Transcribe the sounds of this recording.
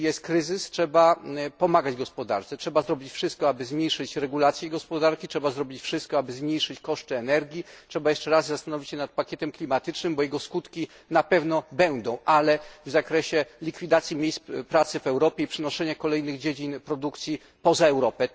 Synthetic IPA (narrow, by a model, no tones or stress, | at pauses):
jɛst̪kɾɘzɘstʂɛbapɔmaɡad͡ʑɡɔspɔd̪a̰ɾt̪sɛtʂɛbazɾɔbʲit͡ɕfʂɘst̪̚kɔabɘzmʲɲejʂɘt͡ɕɾɛɡulat̪sjɛɡɔspɔd̪aɾkʲitʂɛbazɾɔbʲit͡ɕfʂɘst̪kɔabɘzmɲejʂɘt͡ɕkɔʂt̪ɘɛnɛɾɡʲjitʂɛbajɛʂt͡ʂɛɾazzast̪anɔvʲit͡ɕɕɛnat̪̚pakʲɛt̪ɛmklʲimat̪ɘt͡ʂnɘmbɔjɛɡɔskut̪kʲi | napɛvnɔbɛnd̪ɔ̃w̃ʔalɛvzakɾɛɕɛlʲikfʲid̪at̪sʲjimʲjejspɾat̪sɘvɛwɾɔpʲjɛipʂɘnɔʂɛɲakɔlɛjnɘɣd͡ʑed͡ʑinpɾɔd̪ukt̪sʲji | pɔzaɛwɾɔpɛ